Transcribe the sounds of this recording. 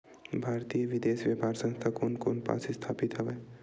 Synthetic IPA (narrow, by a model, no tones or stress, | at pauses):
bʱaːɾt̪ijəʋɪd̪eːsʋjəpaːɾsə̃nst̪ʰakoːnkoːnpa̰ːsɪst̪ʰaːpit̪ɦɛʋeː